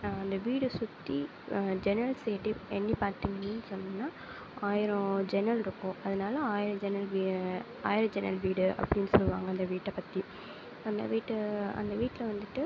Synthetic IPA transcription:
ɐnd̪ɐʋiːɽɯsʊt̪ːi | d͡ʒɛnɐɾɐlsɛjʈːɯɛnːipaːɾt̪ːiːŋɡɐnnːɯsɔnːɐ̃nːaː | aːjɪɾɔ̃d͡ʒɛnɐlɾɯkːʊ̃ːɐðɐnaːlɐaːjɪɾɐ̃d͡ʒɛnɐlʋi | a̰ːjɪɾɐ̃d͡ʒɛnɐ̰lʋiːɽɯʔɐ̰pːɐɽɪnːɯsɔlːɯʋa̰ːŋɡɐnd̪ɐʋiːʈːɐpːɐt̪ːi | ɐnd̪ɐ̰ʋiːʈːɯɐ̰nd̪ɐʋiːʈːɪlɐʋɐnd̪ɯʈːɯ

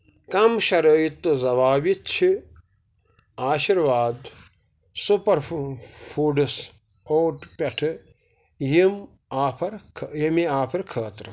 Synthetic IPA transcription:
kɐmʃɐɾɐjit̪ɨzɐʋaːʋitt͡ʃʰi | aːʃiɾʋaːd̪ | supɐɾfʰuːɖɨs | oːʈpɐʈʰɨ | jim | aːpʰɐɾʰjimiaːpʰɐɾkʰəːt̪ɾɨ

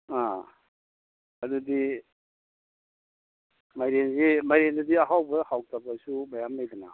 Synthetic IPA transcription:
a | adudi | majɾenzimajɾendɐdiaɦawbɐhawtʰap̚asubajamlajdina̰

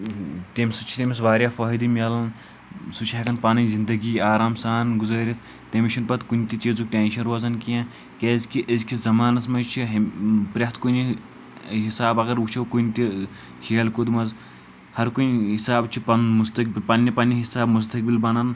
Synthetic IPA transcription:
t̪emsut͡ʃʰi̥t̪emis̬ʋaːɾjaːfaːɦid̪imʲɐːlɐn | sut͡ʃʰaɦɐkɐnpaːnɐzind̪ɐɡiːaːɾaːmsaːnɡuzɐːɾʲit̪ʰ | t̪ɐmʃɐnpɐt̪kunt̪it͡ʃiːzukʈʲeːnʃɐnɾaːzɐnkijãː | keːzkiʔɐzkizɐmaːnɐsmɐt͡ʃʰiɦpɾʲɐht̪ʰkuni | ɦisaːbɐɡɐɾukt͡ʃʰɐwkunt̪i | hʲeːlkod̪mɐz | hɐɾkunɦisaːbt͡ʃʰipɐnmust̪ɐk̚bilpɐnʲːɐpɐnːiɦisaːbmus̬t̪ɐk̚bilbɐnɐn

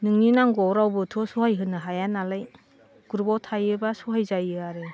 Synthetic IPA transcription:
nɯŋninaŋɡɔwɾawbɯtʰɔsuhajɦɯnɯɦajanalaj | ɡ̥uɾbawtʰajɯbasuɦajzajɯaɾe

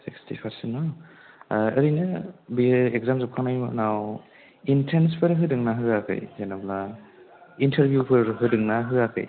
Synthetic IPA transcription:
sikstipʰaɾsenɔ | ɐ̰ɾinɯbiekzamzɯp̚kʰaŋnajmnaw | intʰenspʰɯɾɦɯdɯŋnaɦɯakʰɯ̰jzenabla | intʰɐɾbʱjupʰɯɾɦɯdɯŋnaɦɯakʰɯ̰j

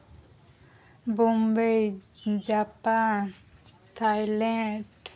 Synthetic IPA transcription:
bombejd͡ʑapan | t̪ʰajlɛɳɖ

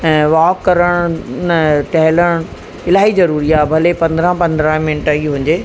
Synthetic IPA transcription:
ɛ̃ːʋaːkːɐɾəɽ̃nəʈɐɦɪləɽ̃ | ɪlaːɦizɐɾuːɾiaːbʱɐlepɐ̃nd̪əɾãpɐ̃nd̪ɾãmɪnɪʈaiɦũːɲ̆d͡ʑeː

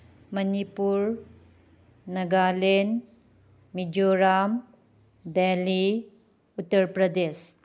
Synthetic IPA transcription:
mɐnipuɾ | nɐɡalen | mid͡ʒoɾam | deli | utːɐɾpɾɐdes

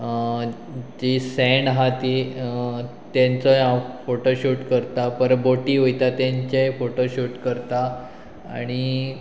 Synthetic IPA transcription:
d͡ʑisɛɳɦat̪i | t̪jant͡səafoʈoɕuʈkəɾt̪apəɾboʈiːɦojt̪at̪jãɲt͡ɕefoʈoɕuːʈkəɾt̪a | aɽ̃i

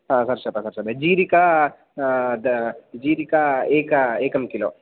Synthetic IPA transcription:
ɦãːsɐɾsɐt̪ɐsɐɾsɐbɐd͡ʒiːɾika | d̪d͡ʒiːɾikaeːkɐeːkɐmkilo̰ː

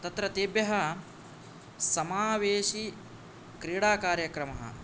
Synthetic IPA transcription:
t̪ɐt̪ɾɐt̪eːbjɐɦɐ | sɐmaːʋeːʃi | kɾiːɽaːkaːɾjɐkɾɐmɐɦɐ̰

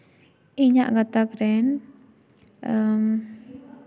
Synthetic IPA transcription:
iɲaʔɡat̪akɾɛn | əm

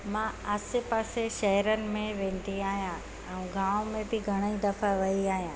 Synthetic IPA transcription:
mãɐsɪpəːseʃɐɦɾənɪ̆mẽʋẽːn̆d̪iaːɦjã | ɛ̃ũɡãːõmẽbɪɡʱɐɽ̃əid̪ɐfaʋɐiaːɦjãː

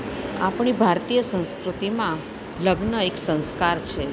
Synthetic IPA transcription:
a̰pɳibʱaɾt̪ijəsə̃w̃skɾut̪imã | ləɡnəeksə̃w̃skaɾt͡ʃʰe

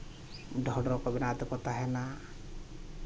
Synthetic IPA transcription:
ɖʱɔɖɾɔkɔbɛnat̪ɔkɔt̪aɦɛna

